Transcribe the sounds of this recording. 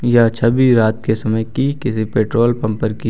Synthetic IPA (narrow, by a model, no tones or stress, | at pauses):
jat͡ʃʰɐbiɾaːt̪kesɐməjkikɪsipeːʈɾoːlpɐ̃mpəɾki